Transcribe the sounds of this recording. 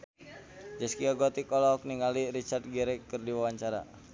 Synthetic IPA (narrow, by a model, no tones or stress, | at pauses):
d͡ʒəskiaɡoɔt̪ikɔlɔɦɔk̚niŋalirit͡ʃard̪̚ɡɛɾɛkːɨrdiwawaɲt͡ʃaɾa̰